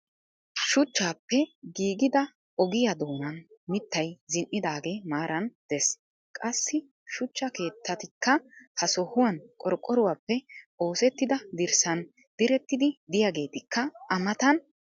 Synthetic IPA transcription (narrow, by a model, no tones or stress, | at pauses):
ʃʊt͡ʃːaːpːɛɡiːɡɪd̪ɐ | ɔɡɪjɐd̪oːnɐnmɪt̪ːɐjzɪnʔɪd̪aːɡeːmaːɾɐnd̪̥ɛs | kʼɐsːɪ | ʃʊt͡ʃːɐke̞ːt̪ʰːɐt̪ɪkːɐhɐsɔhʊwɐnkʼɔɾkʼːɔɾʊwaːpːɛʔo̞ːsɛt̪ːɪd̪ɐd̪ɪɾsɐn | d̪̥ɪɾɛt̪ːɪd̪ɪd̪ɪjaːɡe̞ːt̪ɪkʰːɐɐmɐt̪ɐn